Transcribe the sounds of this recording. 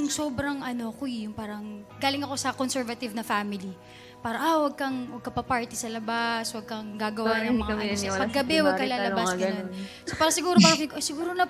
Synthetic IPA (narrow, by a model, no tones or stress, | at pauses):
ŋso̞ːbɾɐŋɐno̞kojʊŋpaːɾɐŋɡaːlɪŋɐko̞sɐkonsɛɹvɐt̪ɪvnɐfaːmɪli | paːɾɐʔawɐɡ̚kɐŋwɐɡ̚kɐpɐpaɹt̪ɪsɐlɐbaswɐɡ̚kɐŋɡaːɡɐwanɐiɐmpɐɡɡɐbɛwɐkɐlaːlɐbakɐɐn | sopaːɾɐsɪɡuːɾopaːɾɐsɪɡsɪɡuːɾonɐ